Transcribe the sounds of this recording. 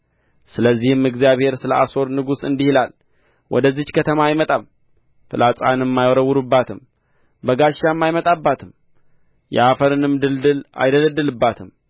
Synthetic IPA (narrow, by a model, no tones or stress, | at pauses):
sɨləzːihɨmɨɡzjaβhe̞ɾsɨləʔaso̞ɾnɨɡusɨ̰nd̪ihilal | wʔɔ̰d̪əzːit͡ʃkʰət̪ʰəmajmət̪ʼam | fɨlʔat͡sʼa̰nɨmːajɔɾəwːuɾubːat̪ʰɨm | bəɡaʃːamːajmət̪ʼabːat̪ʰɨm | jɛ̰ʔafəɾɨnɨmːd̪ɨld̪ɨla̰jd̪ələd̪ːəlɨbːat̪ʰɨm